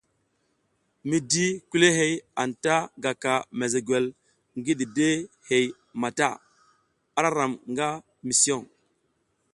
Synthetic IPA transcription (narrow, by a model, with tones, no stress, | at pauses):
mi˦di˦ku˦le˦ɦe˦ja˨nta˦ɡa˨ka˨me˨ze˨ɡʷe˨l | ŋɡi˦ɗi˨de˦ | he˨j | ma˨ta̰˦˨ | a˦ɾa˦ɾa˨mŋɡa˦ | mi˨si˦o˦˨ŋ